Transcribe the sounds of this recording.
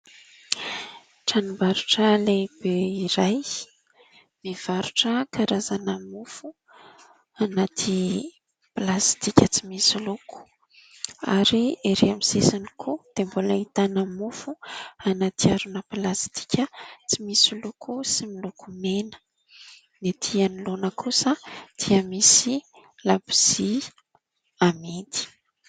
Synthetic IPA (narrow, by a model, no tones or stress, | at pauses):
ʈ͡ʂanimbaɾuʈ͡ʂəleb̥eiɾaj | miv̥aɾuʈ͡ʂəkʰaɾazanəmufu | anat̪ʰi | plast̪ikʲət͡simisiluku̥ | a̰ɾieɾeamisesanikʰud̪̥embolait̪anamufuanat̪iaɾunəpilast̪i̥kʲət͡simisilukusimilukumenə̥ | net̪ʰianilonəkʰusəd̪̥iəmisi | labiz̥i | amid̪i̥